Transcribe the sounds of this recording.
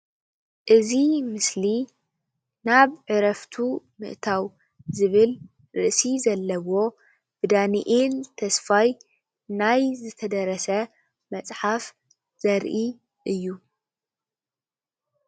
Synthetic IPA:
ʔɨzimɨsli | naβʕɨɾɐft̪ʰu | mɨ̰ʔt̪ʰaw | zɨβɨl | ɾɨ̰ʔsizɐlːɐwo̞ | b̥ɨd̪aniʔelt̪ʰɐsfaj | najzɨt̪ʰɐd̪ɐɾɐsɐ | mɐt͡sʼħaf | z̥ɐɾʔi | ʔɨjːu

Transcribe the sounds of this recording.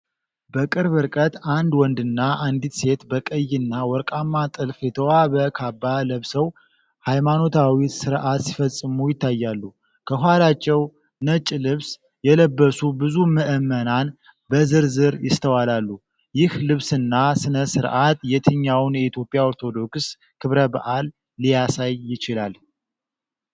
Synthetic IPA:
bəkʼɨɾβɨɾkʼət̪and̪wɔnd̪ɨnːaʔand̪it̪se̞t̪bəkʼəjːɪnːawɔɾkʼamːat̪ʼɨlfjɛt̪ʰəwaβəkʰabːaləβsəw | hajmano̞t̪ʰawisɨɾʔat̪si̥fəsʼːɨmujɪt̪ʰːajːalːu | kʰəɦwalat͡ʃːɛw | nət͡ʃʼlɨβs | jɛləbːəsubɨzuməʔəmːənan | bəzɨɾzɨɾjɪst̪ʰəwalalːu | jɪhlɨβsɨnːasɨnəsɨɾʔat̪jɛt̪ʰɨɲːawnjɛit̪ʰjo̞pʼjao̞ɾt̪ʰo̞d̪o̞ks | kʰɨβɾəba̰ʔalː | ijasajːɪt͡ʃɪlal

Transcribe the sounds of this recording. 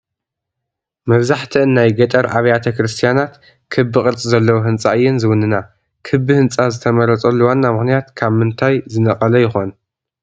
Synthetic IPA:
mɐβzaħt̪ʰiɨnːajɡɐt̪ʼɐɾʔaβɐjat̪ʰɐkɾɨst̪ʰijanat̪ | kʰɨbɨkʼɨɾt͡sʼzɐlːɐwuɦɨnt͡sʼaɨjːɪnzɨwʊnɨna | kʰɨbɨhɨnt͡sʼazɨt̪ʰɐmɐɾɐt͡sʼɐlːuwanːamɨxnijat̪kʰaβmɨnt̪ʰajzɨnɐqʼɐlɐjɪxo̞n

